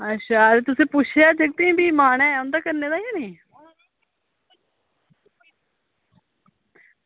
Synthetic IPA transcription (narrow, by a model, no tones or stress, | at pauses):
əʃʰaːɾet̪ʊsẽːpʊt͡ʃʰeaːd͡ʒeɡ̚t̪ĩbiːmaːɳɛːʊ̃nd̪aːkəɾneːd̪aːiaːnĩː